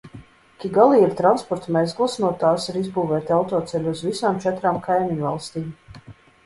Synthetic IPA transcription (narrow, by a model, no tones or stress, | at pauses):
kʲiɡalˠiːiɾt̪ɾanspɔɾt̪mʲɛjzɡlˠsnuɔt̪aːsiɾizbuːvɛːt̪ʲalˠt̪uːt̪sɛlʲuuzvisaːmt͡ʃɛt̪ɾaːmkʰajmʲiɲvalˠst̪iːm